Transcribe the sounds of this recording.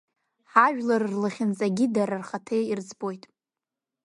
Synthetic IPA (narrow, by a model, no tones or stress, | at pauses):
ħaʒᶣlarrlaχʲɪnt͡sʼaɡʲidaɾarχatʰejird͡zbo̞jtʼ